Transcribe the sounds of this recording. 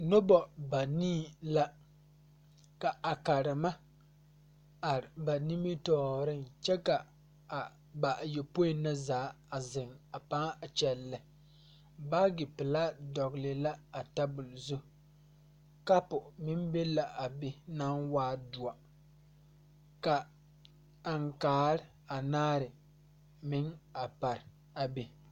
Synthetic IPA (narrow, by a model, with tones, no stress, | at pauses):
no˦bɔ˨ba˨niː˦la˦ | ka˨a˨ka˨ɾɪ˨ma˦ | a˨ɾɪ˨ba˨ni˦mi˦tɔː˦˨ɾɪ˦nt͡ʃɛ˦ka˨ | a˨ | ba˨ʔjɛ˨po˦ɪ˨na˦zaː˨˦ | a˨zɪ˨ŋa˨pa˦ŋ˦a˨t͡ʃɛ˨lːɪ˨ | ba˦ɡɪ˨pɪ˨la˦dɔ˨ɡlɪ˨la˦a˨ta˦bʊ˨lzʊ˦ | ka˦pʊ˨mɪ˦mbe˦la˨ʔa˨bɪ˦na˦nwaː˦du˨a˨ | ka˨ | a˨ŋ˨kaː˨˦ɾɪ˦ | a˨naː˦ɾɪ˨ | mɪ˦ŋa˨pa˨ɾ | a˨bi˨